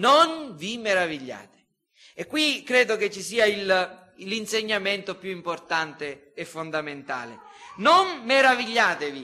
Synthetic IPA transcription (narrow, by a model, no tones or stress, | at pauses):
nonvimeɾaviʎːa̰ːt̪e̥ | ekːwikːɾɛːd̪oket͡ʃːisiːail | linseɲːament̪opjuimport̪ant̪e | ɛfːond̪ament̪a̰ːle | nonmeɾaviʎːaːt̪evi